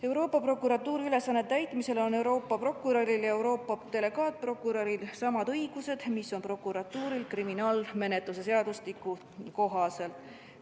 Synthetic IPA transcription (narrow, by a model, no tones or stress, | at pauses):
e̞wɾo̞ːpːˑɑpro̞kːˑuɾɑt̪ːˑuːɾiyle̞sɑnːe̞t̪ːæjt̪ˑmise̞lo̞ne̞wɾo̞ːpːˑɑpro̞kːˑuɾɑɾiljɑe̞wɾo̞ːpˑːɑt̪e̞le̞ɡ̥ɑːt̪̚pro̞kːˑuɾɑɾilsɑmɑd̪ɤjɡ̥use̞d̪̥misːo̞npro̞kːˑuɾɑt̪ːuːɾilkriminɑːlme̞ne̞t̪lus̬es̬e̞ɑd̪ust̪ikːu | ko̞ɦɑse̞l